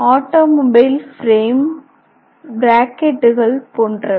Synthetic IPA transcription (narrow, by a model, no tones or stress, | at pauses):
aːʈːoːmobɐɪlfɾeːm | bɾaːkɛʈːɯɣɐɭpoːndrɐ